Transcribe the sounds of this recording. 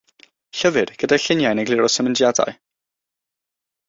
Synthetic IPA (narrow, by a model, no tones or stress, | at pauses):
ɬəvɨd̥ɡ̥ədaɬɪnjajnəɡlˠɪɾɔsəməndjada̰ɨ